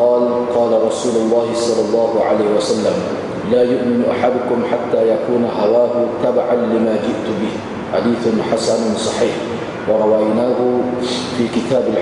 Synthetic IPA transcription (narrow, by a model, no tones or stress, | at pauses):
ɑːlqɑːlaɾˤɑsuːlʊlˤːɑːhɪsˤɑlːɑlˤːɑːhʊʕa̰laːhɪwasalːam | laːjʊʔmɪnʔaħad̪ʊkʊmħat̪ːaːjakuːnaɦawaːhʊt̪abaʕanlɪmaːd͡ʒɪʔt̪ʊbɪh | ħad̪iːθʊnħasannsˤɑħiːħ | wɑɾˤɑwajnaːhʊ | fiːkɪt̪aːbɪl